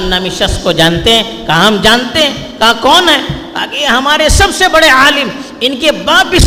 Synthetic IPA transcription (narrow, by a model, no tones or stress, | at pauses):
mnamɪʃəskod͡ʒaːnt̪eɦɛ̃kaːɦɐmd͡ʒaːnt̪eɦɛ̃kãːkɔːnɦɛːba̰ːkiɦɐmaːɾesɐbsebɐɽeaːlɪm | ɪnkebaːt̪bɪs